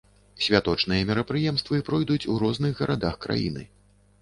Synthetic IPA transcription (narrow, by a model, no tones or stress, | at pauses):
sʲvʲat̪ɔt͡ʂnɨjɐmʲɛɾɐpɾɨjɛmst̪vɨpɾɔjd̪ut͡sʲuɾɔznɨɣɣɐɾʔad̪axkɾa̰jḭnɨ̰